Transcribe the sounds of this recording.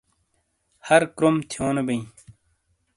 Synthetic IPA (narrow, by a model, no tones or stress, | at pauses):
hɐɾkɾomt̪ʰjoːnebɐĩ